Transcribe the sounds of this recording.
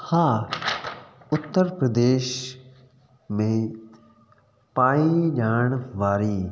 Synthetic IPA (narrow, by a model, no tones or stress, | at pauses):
hãː | ʊt̪ːəɾpɾəd̪eːʃ | mẽ | paːiʄaːɳ̃ʋaːɾiː